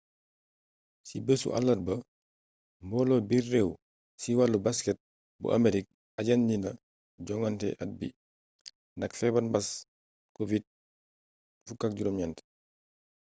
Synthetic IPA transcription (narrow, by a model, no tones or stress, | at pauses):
sibəsṵʔa̰lːɐr̚bɐ | mbɔlɔbirːɛw | siwalːubaskɛt̚ | bṵʔɐ̰meɾik̚ | ɐɟanɲinɐ | ɟɔŋɐntɛ̰ʔɐt̚bḭ | ndɐkfɛbɐnbɐs | kovit̚ | fukak̚ɟuɾɔmjantɛ̥